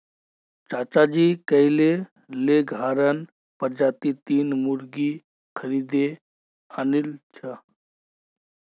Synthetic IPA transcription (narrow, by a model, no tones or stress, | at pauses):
t͡ʃaːt͡ʃad͡ʒikəile | leɡʱaːɾən | pəɾd͡ʒat̪it̪iːnmuɾɡi | kʰəɾiːd̪e | anilt͡ʃʰə